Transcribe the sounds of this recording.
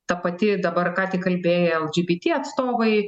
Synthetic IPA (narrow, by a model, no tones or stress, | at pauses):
t̪ɐpɐt̪ʲɪd̪ɐbɐrkɑːt̪ʲɪkɐlʲbʲeːjɛɛlˠd͡ʒʲibʲit̪ʲiːɐt̪st̪oːʋɐɪ